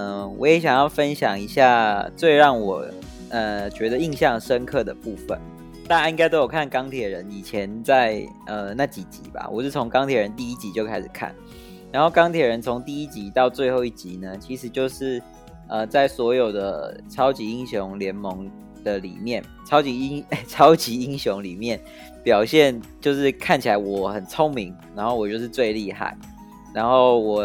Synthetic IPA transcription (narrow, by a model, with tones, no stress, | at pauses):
ə˧˩wɔ̰˧˦jɛ˨˧˥ɕjɑ˨˩ŋjɑ˥˩ʊfə˦nɕjɑ̰˨˩ŋi˧˥ɕja˥˩t͡swe˥˧ɪɻɑ˥˩ŋwɔ˨˩ | ə˨t͡ɕɥɛ˧˥d̪ə˧i˥˧ŋɕjɑ˥˩ŋʂə˦˥nkʰɤ˥˩d̪ə˩pu˥˩fə̰˨˩n | t̪a˥˩˥i˥ŋka˥ɪt̪o˥ʊjo˨˩kʰa˥˩nkɑ˥ŋt̪ʰjɛ˨˩ɻə˨˦ni˨˩t͡ɕʰjɛ˧˦nt͡sa˥˩ɪ | ə˨na˥˩t͡ɕi˨˥t͡ɕḭ˨˦ba̰˨˩wɔ̰˨˩ʂɻ̩˥˩t͡sʰo˧˥ŋkɑ˥ŋt̪ʰjɛ˨˥ɻə˧˦nt̪i˥˧i˥t͡ɕi˧˥t͡ɕjo˥˧ʊkʰa˥ɪʂɻ̩˨˩kʰa̰˥˩n | ɻa˧˦nxo˥˩ʊkɑ˥ŋt̪ʰjɛ˨˩ɻə˧˦nt͡sʰo˧˥ŋt̪i˥˧i˥t͡ɕi˧˥t̪ɑ˥˧ʊt͡swe˥˧xo˥˧ʊi˥˩t͡ɕi˨˥nə˧t͡ɕʰi˧˥ʂɻ̩˧˥t͡ɕjo˥˧ʊʂɻ̩˥˩ | ə˨t͡sa˥˩ɪswɔ˧˥jo˨˩ʊd̪ə˦ʈ͡ʂʰɑ˥ʊt͡ɕi˧˥i˥ŋɕjʊ˧˥ŋljɛ˧˥nmɤ˧˦ŋ | d̪̥ə˨lḭ˨˩mjɛ˥˩n | t͡sʰɑ˥ʊt͡ɕi˧˥˦ŋt͡sʰɑ˥ʊt͡ɕi˧˥i˦˥ŋɕjʊ˧˦˥ŋli˨˩mjɛ˥˩n | pjɑ˨˩ʊɕjɛ˥˨˩nt͡ɕjo˥˧ʊʂɻ̩˥˧kʰa˥˩nt͡ɕʰi˨˩la˨˧˦ɪwɔ˨˩xə˨˩nt͡sʰo˦˥ŋmi˧˦ŋɻa˧˥nxo˥˩ʊwɔ˨˩t͡ɕo˥˧ʊʂɻ̩˥˧t͡swe˥˧ɪli˥˧xa̰˥˩ɪ | ɻa˧˥nxo˥˩ʊwɔ˨˩